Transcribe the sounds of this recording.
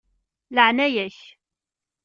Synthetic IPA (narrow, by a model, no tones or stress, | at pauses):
ləʕnæjæç